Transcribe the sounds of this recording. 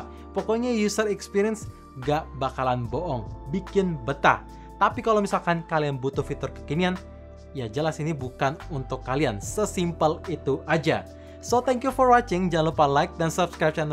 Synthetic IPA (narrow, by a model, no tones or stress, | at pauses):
pɔkɔɲajusəɾɛkspiɾiəns | ɡaʔbakalanboʔɔŋbikɪnbət̪a̰h | t̪apikalowmisalkankalianbut̪ʊhfit̪ʊrkə̥kinian | jad͡ʒəlasinibukanunt̪ʊkːaliansəsimpəlit̪uʔad͡ʒa̰ | sot̪ɛŋkjufɔrwat͡ʃɪŋd͡ʒaanlupalajk̚dansapskɾap̚t͡ʃanə